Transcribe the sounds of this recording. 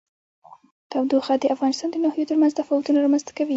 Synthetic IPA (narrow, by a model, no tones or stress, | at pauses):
t̪awd̪uxad̪əʔafɣɑnɪst̪ɑnd̪ənɑhjot̪əɾmanzt̪afɑwat̪unaɾɑmanzt̪ḁkawi